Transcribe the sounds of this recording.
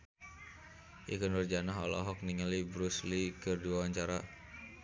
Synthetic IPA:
ʔḭkənurd͡ʒanaɦɔ̰lɔ̰ɦɔk̚niŋalibɾuslikɨrduawaɲt͡ʃaɾa

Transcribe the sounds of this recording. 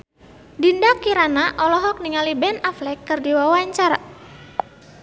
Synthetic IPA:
dindakiɾanaʔɔlɔɦɔk̚niŋalibɛnaflɛkːɨrdiwawaɲt͡ʃara

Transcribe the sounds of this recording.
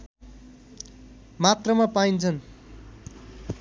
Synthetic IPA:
mat̪rʌmapaint͡sʰʌn

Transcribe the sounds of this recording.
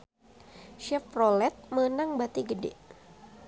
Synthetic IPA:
ʃɛfrolɛt̪̚məənaŋbat̪iɡədɛ̰

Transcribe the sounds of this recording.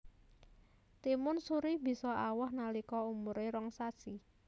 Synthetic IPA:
t̪imʊnsuɾib̥i̤sɔawɔhnalikɔumʊɾeɾɔŋsasi

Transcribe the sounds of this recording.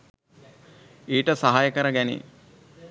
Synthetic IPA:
eːʈəsaɦajəkəɾəɡænḛ

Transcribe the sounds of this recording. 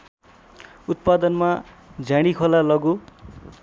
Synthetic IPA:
ut̪̚pad̪ʌnma | d͡zʱãɽ̃ikʰʌlalʌɡu

